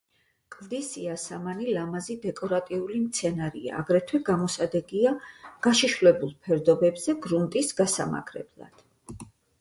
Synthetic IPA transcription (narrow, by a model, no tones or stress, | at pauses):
kʼlˠd̪isiasamanilamazid̪ɛkʼɔɾat̪ʼiulimt̪sʰɛnaɾḭa̰ːɡɾɛt̪ʰwɛɡamɔsad̪ɛɡiaɡ̥aʃiʃvlɛbulˠpʰɛɾd̪ɔbɛbzɛɡɾunt̪ʼisɡasa̰ma̰ɡʰɾɛ̰blˠa̰d̪̥